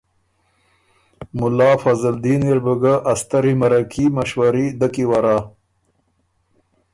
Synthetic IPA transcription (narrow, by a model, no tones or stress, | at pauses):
mʊlɑːfɐzald̪iːniɾbəɡaʔːst̪ɐɾimɐɾakʰimaʃwaɾid̪akiwaɾaː